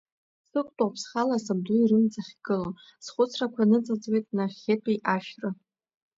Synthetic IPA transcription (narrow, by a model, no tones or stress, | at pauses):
sɨkʷʼtʼapʰsχalasab̚dʊirɨmt͡sʼaχʲɡ̥ɨlo | sχʷʊt͡sʰrakʷʰanɨt͡sʼat͡sʼwejtʼnaχʲetʼiʔaʃᶣra